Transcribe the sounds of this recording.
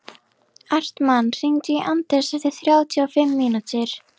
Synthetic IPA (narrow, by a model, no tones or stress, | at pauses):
ar̥t̪manːr̥int̪ʏiʔant̪ɛɾsɛft̪ɪɾ̥θɾjaːwt̪ʰiafɪmːiːnut̪ɪɾ̥